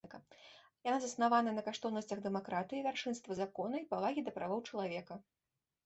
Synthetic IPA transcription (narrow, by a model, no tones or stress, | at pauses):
kɐ | janazɐsnavanɐnɐkaʂt̪ɔwnɐsʲt͡sʲɐɣd̪ɛmakɾat̪ɨjivʲarʂɨnst̪vɐzakɔnɐipavaɣʲid̪ɐpɾʔavɔwt͡ʂɐlˠavʲɛkɐ